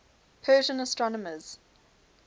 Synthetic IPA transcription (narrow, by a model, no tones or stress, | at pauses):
pʰɜːʒə̃nəstɹɔnəməz̥